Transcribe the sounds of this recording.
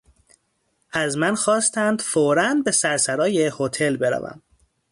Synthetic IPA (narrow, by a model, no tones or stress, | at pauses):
ʔæzmænxɒːst̪ʰænd̪̥foːɾænd̪be̞sæɾsæɾɒːjehot̪ʰe̞lbe̞ɾæ̰væ̰m